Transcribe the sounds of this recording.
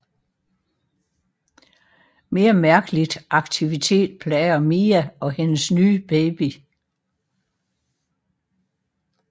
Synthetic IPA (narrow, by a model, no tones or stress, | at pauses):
me̝ːɐmæɐɡ̥əlid̥ʔɑ̈ɡ̥̚t͡sʰiʋit͡sʰe̝̰ːd̥̚pʰlɛɪɐmiːæɒ̽henəsnyːb̥eɪb̥i